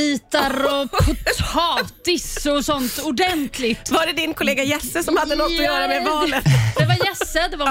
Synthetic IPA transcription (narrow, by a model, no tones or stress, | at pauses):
iːt̪aɾɔpʰʊt̪ʰɑːt̪ɪsɔsɔnt̪ʊɖɛnt̪ʰlɪɡ̪vaɖɛd̪ɪnkʰʊleːɡajɛsːəsɔmhad̪ːəlɔtːɔjœːɾamɛvɑːlət̪d̪ɛvajɛsːəd̪ɛva